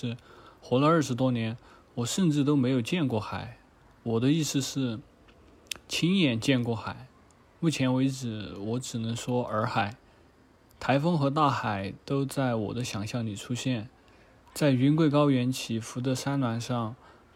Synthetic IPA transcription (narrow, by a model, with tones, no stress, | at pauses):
ɻ̩˥˩xo˧˥lə˧ə˞˥˩ʂɻ̩˧˥t̪wɔ˥njɛ˧˥n | wɔ˨˩ʂə˥˧nʈ͡ʂɻ̩˥˩t̪̬o˥ʊme˧˥ɪjo˨˩ʊt͡ɕjɛ˥˧nkwɔ˥˩xa˨˩˦ɪ | wɔ˨˩d̪ə˦i˥˧sɹ̩˥˧ʂɻ̩˥˩ | t͡ɕʰi˥ŋjɛ˧˥nt͡ɕjɛ˥˧nkwɔ˥˩xa˨˩˦ɪ | mu˥˩t͡ɕʰjɛ˧˥nwe˧˥ɪʈ͡ʂɻ̩˧˩˦wɔ˧˥ʈ͡ʂɻ̩˨˩nɤ˧˥ŋʂwɔ˥ə˞˧˥xa˨˩˦ɪ | t̪ʰa˧˥ɪfɤ˥ŋxɤ˧˥t̪a˥˩xa˨˩ɪt̪o˥ʊt͡sa˥˩ɪwɔ̰˨˩d̪ə˦ɕjɑ˨˩ŋɕjɑ˥˩ŋli˨˩ʈ͡ʂʰu˥ɕjɛ˥˩n | t͡sa˥˩ɪy˧˥nkwe˥˩ɪk̬ɑ˥ʊɥɛ˧˥nt͡ɕʰi˧˥fu˧˥t̪ɤ˧˥ʂa˥nlwa˧˥nʂɑ˥˩ŋ